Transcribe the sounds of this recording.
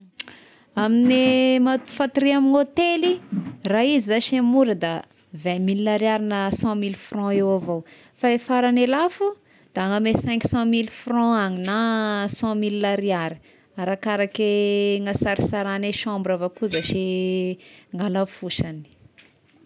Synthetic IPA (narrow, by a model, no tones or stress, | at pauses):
aminemat̪u̥fãt̪iɾiaminot̪eliraizizaʃemuɾəd̪a | vɛ̃millaɾiaɾinəsɑ̃milfrɔ̃ewavo | faefaɾanelafu | d̪̥aŋamesɛ̃ŋksɑ̃milfrɔ̃aŋinasɑ̃milːaɾiaɾi̥ | aɾakaɾakeŋasaɾisaɾaneʃãmbɾavakuzaʃi | ŋɡalafuʃani̥